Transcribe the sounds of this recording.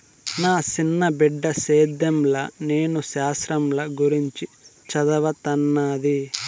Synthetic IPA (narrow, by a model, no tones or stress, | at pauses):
naːt͡ʃinːɐbiɖːɐseːd̪ɐmlɐne̞ːnuʃaːsɾɐmlɐɡuɾiɲt͡ʃit͡ʃɐd̪ɐʋɐt̪ɐnːaːd̪i